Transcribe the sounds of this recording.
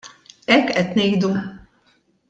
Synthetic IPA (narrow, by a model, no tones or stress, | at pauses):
ɛkɛt̪nejd̪u